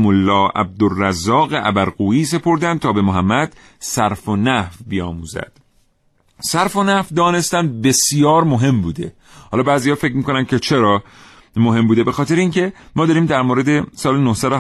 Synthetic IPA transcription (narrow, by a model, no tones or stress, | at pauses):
molːɒːæ̰b̚d̪orːæzɒːɣeʔæ̰bæɾɣuːiːse̞pʰo̞ɾd̪ænd̪̚t̪ʰɒːbe̞moɦæmːæd̪̥ | sæɾfonæhfbijɒ̰ːmuːzæ̰d̪̥ | sæɾfonæfd̪ɒːne̞st̪ænd̪̚be̞sijɒːɾmo̞ɦe̞mbuːd̪e | hɒːlɒːbæːzihɒːfecʰmiːko̞nænd̪kʲʰet͡ʃʰe̞ɾɒː | moɦe̞mbuːd̪ebe̞xɒːt̪e̞ɾeiːŋkʰe̞mɒːd̪ɒːɾiːmd̪æɾmoːɾe̞d̪esɒːlenohsæd̪o